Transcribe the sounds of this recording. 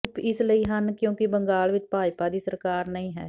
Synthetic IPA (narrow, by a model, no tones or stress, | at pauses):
pɪsləiːɦənkjõːkɪbəŋɡaːlʋɪt͡ʃpaːjpaːd̪iːsəɾkaːɾnəĩːɦɛ̰ː